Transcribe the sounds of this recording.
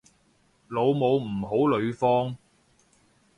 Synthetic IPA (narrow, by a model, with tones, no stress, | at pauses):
lo˨˧wmo˨˧wm̩ː˨˩ɦo˨˥wlɵ˨˧ɥfɔː˥ŋ